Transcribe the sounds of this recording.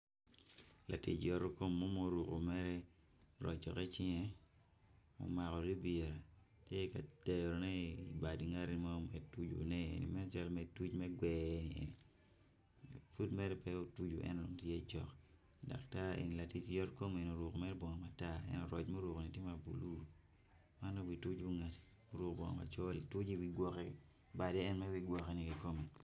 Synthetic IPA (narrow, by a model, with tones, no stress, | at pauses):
la̰˨tḭ˦t͡ʃjɔ˦ɾo˦ko˦mːo˦mo˦ɾu˨ko˨mɛ˦ɾɛ˦ | ɾɔ̰˨d͡ʒɔ̰˨kɛ˦t͡ʃɪ˦ŋɛ˦ | mo̰˨ma˨kɔ˨ɾi˦bie˨ɾa˨ | tje˦ka˨te˨ɾo˨nɛ˦i˨ba˨di˨ŋa˦ɾni˦mo˦mɛ˨tu˦d͡ʒo̰˨nɛ˦ḛ˨nḭ˨mɛ˦n˦t͡ʃa˦lme˨tu˦t͡ʃmɛ˦ɡwɛ˦ni˨e˨ni˨ | fu˦dmɛ˦ɾɛ˦pɛ˦o˦tu˦d͡ʒo˨ʔɛ̰˦no˨ŋtje˦t͡ʃɔ̰˨k | da̰˨kta˦ḛ˨ni˨la˨ti˦t͡ʃjɔ˦tko˦me˨no˨ɾwo˨komɛ˦ɾbɔ˨ŋɔ˨ma˨ta˦ɛ̰˦no˨ɾɔ˨t͡ʃmɛ˦ɾo˨ko˨ni˨tje˦ma˨bṵ˨lu˦ | ma˦no˦wi˨tu˦d͡ʒbu˦ŋa˨t | o˦ɾo˨kbɔ˨ŋo̰˨ma̰˨t͡ʃo˦li˨tu˦d͡ʒi˦wi˦ɡwɔ˦kɛ˦ | ba˨dɛ˦ɛ˦nmɛ˦wi˦ɡwɔ˨ke˦ni˨ki˨ko˦mɛ˨